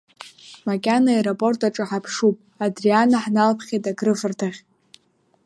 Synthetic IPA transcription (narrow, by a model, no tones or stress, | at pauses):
makʲʼanaeɾopʼo̞rtʰʼaʈ͡ʂʼɨħapʰʂupʼ | adrianaħnalpʰχʲetʼaɡrɨvɨrtʰaʁʲ